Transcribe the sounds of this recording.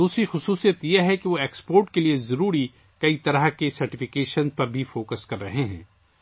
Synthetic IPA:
d̪uːsɾixʊsuːsijət̪jeɦɛkeʋoeːkspoːɾʈkeliezɐɾuːɾi | kɐit̪ɐɾəɦkesɐɾʈɪfɪkeːʃənzpɐɾbʱifoːkəskɐɾːɐɦeɦɛ̰̃ː

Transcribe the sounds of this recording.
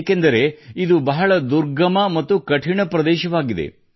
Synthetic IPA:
kend̪ɐɾe̞id̪ubɐɦɐɭɐd̪uɾɡɐmɐmɐt̪ːukɐʈʰiɳɐpɾɐd̪ɛːʃɐʋaːɡid̪e̞̰

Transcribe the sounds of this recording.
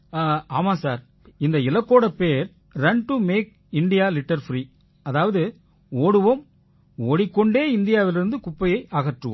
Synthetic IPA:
aːmaːsaːɾ | ɪnd̪ɐɪlɐkːoːɽɐpːeːɾ | ɾɛɳʈɯmeːk̚ | ɪnɖɪjaːlɪʈːɐɾfɾiː | ɐðaːʋɐðɯ | oːɽɯʋɐm | oːɽɪkːɔɳɖeːɪnd̪ɪjaːʋɪlɪɾɯnd̪ɯkʊpːɐjɐɪʔaɣɐʈrɯʋɐ̰m

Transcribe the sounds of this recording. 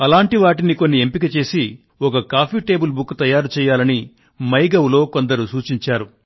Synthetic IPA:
ɐlaːɳʈiʋaːʈiniko̞nːiempikɐt͡ʃe̞ːsi | ɔkɐkaːpʰiːʈe̞ːbulbukːt̪ɐjaːɾut͡ʃɛːjːaːlɐni | mɐjɡɐwlo̞ːko̞nd̪ɐɾusuːt͡ʃiɲt͡ʃaːɾu

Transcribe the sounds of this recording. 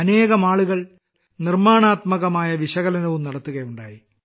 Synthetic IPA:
ɐne̞ːɣɐmaːɭuɣɐɭ | nirmaːɳaːt̪mɐɣɐmaːjɐʋiɕɐɣɐlɐnɐʋumnɐɽɐt̪ːuɣɐjuɳɖa̰ːji

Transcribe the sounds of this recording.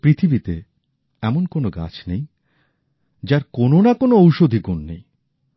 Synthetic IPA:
pɾit̪ʰibit̪e | ɛmonkonoɡa̰t͡ɕʰnej | d͡ʑaɾkononakonoowʃod̪ʱiɡunːḛj

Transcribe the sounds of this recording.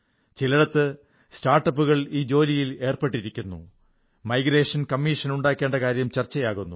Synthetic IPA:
t͡ɕiliɽɐt̪ːɨ | staːrʈːɐpːuɣɐɭiːd͡ʑo̞ːlijile̞ːrpe̞ʈːiɾikʲːunːṵ | mɐjɡɾe̞ːʂɐnkɐmːiːʂɐnuɳɖaːkʲːe̞ːɳɖɐkaːɾjɐmt͡ɕɐrt͡ɕːɐjaːɣunːṵ

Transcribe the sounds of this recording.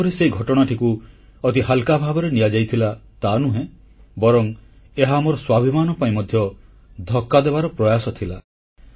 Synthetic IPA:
ɔɾiseiɡʱɔʈɔɽ̃aʈʰiku | ɔt̪iɦalkabʱabɔɾenijad͡ʒajt̪ʰilat̪anuɦẽ | bɔɾɔŋ | eɦamɔɾɔswabʱimanɔpaĩmɔd̪ʱjɔ | d̪ʱɔkːad̪ebaɾɔpɾɔjasɔt̪ʰila

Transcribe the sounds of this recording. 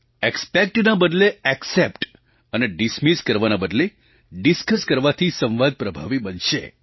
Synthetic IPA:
ekspek̚ʈnabəd̪leɛksepʈ | əneɖismiskəɾʋanabəd̪le | ɖiskəskəɾʋat̪ʰisə̃m̃ʋad̪̚pɾəbʱaʋibənʃḛ

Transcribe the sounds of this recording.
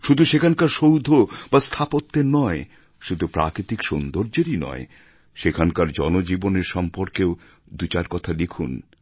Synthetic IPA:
ʃud̪ʱuʃekʰankaɾʃowd̪ʱobast̪ʰapot̪ːenɔe | ʃud̪ʱupɾa̰kɾit̪ikʃond̪oɾd͡ʑeɾinɔ̰e | ʃekʰankaɾd͡ʑɔnod͡ʑiboneɾʃɔmpoɾkeo | d̪ut͡ɕaɾkɔt̪ʰalekʰṵn

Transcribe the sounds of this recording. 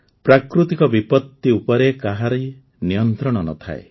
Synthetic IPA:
pɾakɾut̪ikɔbipɔt̪ːiupɔɾekaɦaɾɔj | nijɔnt̪ɾɔɽ̃ɔnɔ̰t̪ʰa̰ḛ

